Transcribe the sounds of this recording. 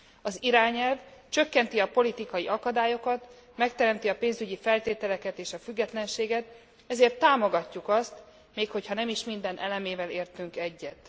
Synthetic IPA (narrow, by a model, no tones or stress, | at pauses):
ɒziɾaːɲɛlvt͡ʃø̞kːɛnt̪iɒpo̞lit̪ikɒjiʔɒkɒd̪aːjo̞kɒt̪ | mɛkt̪ɛɾɛmt̪iɒpeːnzyɟifɛlt̪eːt̪ɛlɛkɛt̪eːʃɒfyɡːɛt̪lɛnʃeːɡɛt̪ | ɛzeːrt̪ːaːmo̞ɡɒcːukɒst̪ | meːkho̞chɒnɛmiʃmind̪ɛnʔɛlɛmeːvɛleːrt̪yŋkɛɟːɛt̪